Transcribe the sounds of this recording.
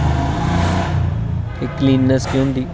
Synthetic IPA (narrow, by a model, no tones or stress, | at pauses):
ekliːnːəskjõːnd̪iː